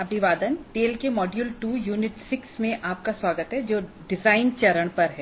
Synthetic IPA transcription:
ɐpniʋaːd̪ənʈeːlkemɔːɖjulʈuːjuːnɪʈsɪksmẽʔaːp̚kasʋaːɡət̪ɦɛd͡ʒoː | ɖɪzaːɪnt͡ʃɐɾəɽpɐɾɦɛː

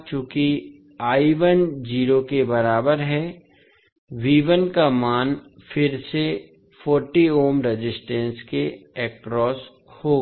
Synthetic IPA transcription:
t͡ʃũːki | aːiʋənd͡ʒiːɾokebɐɾaːbəɾɦɛ | ʋiːʋənkamaːnfɪɾse | fɔːɾʈioːmɾed͡ʒɪsʈɛ̃ːnskeɛːkɾɔːs | hoɡ

